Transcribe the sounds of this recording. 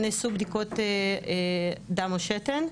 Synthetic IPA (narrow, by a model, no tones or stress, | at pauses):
nisubd̪ikot̪e | d̪amoʃet̪en